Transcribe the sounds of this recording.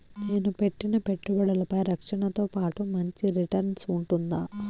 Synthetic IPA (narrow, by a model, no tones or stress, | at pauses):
neːnupe̞ʈːinɐpe̞ʈːubɐɽɐlɐpɐjɾɐkʂɐɳɐt̪oːpaːʈumɐɲt͡ʃiɾiʈɐɾnsuɳʈund̪aː